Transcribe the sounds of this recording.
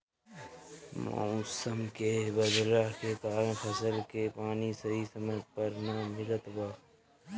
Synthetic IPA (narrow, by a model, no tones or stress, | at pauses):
ma̰ːusəmkebɐd̪ɾaket̪aːɾẽfʰɐsəlkepaːnisɐɦisɐməɡ̚pɐɾnaːmɪlət̪waː